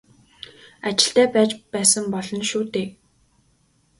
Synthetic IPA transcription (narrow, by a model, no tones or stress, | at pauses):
at͡ɕɪ̥̆ɬt̪æːpæːt͡ɕpæːsə̆mpɔɮɞ̆nʃuːt̪eːk